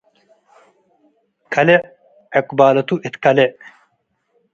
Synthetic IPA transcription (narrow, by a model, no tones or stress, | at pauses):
kʰɐle | eqbaːlɐt̪uʔit̪kɐle